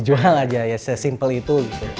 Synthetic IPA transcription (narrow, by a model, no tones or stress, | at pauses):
d͡ʒuaŋad͡ʒajasəsimpəlit̪uɡit̪u